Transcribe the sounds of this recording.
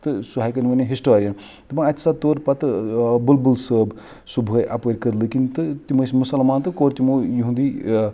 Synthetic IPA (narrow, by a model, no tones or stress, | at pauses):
t̪ɨsuɦajkɐnʲʋɐnʲɐɦisʈoːɾijɐn | t̪ɨpãɐt̪ʲi̥sat̪oːɾpɐt̪bulbulsəːb | subʱəjʔɐpɐːɾʲkəɾlɨkint̪ɨt̪imɨsmusɐlmaːnt̪ɨkoːɾt̪imujiɦũnd̪i